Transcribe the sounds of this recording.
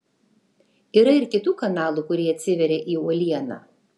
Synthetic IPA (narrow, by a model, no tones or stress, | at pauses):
iːɾɐɪɾkʲɪt̪uːkɐnɑːlˠuːkʊɾʲiːɐt̪ʲsʲɪʋʲɛɾʲeːʔiːuɔlʲiɛnɑ̰ː